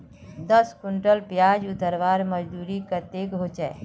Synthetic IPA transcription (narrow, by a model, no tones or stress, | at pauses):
d̪əskʊɳʈəlpjaːd͡ʒʊt̪əɾʋaːɾməd͡ʒd̪uːɾikət̪ekɦot͡ʃae